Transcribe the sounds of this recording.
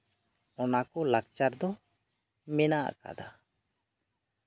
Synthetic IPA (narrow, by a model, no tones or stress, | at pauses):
ɔnakɔlaɡt͡ʃaɾd̪ɔ | mɛnaʔka̰d̪a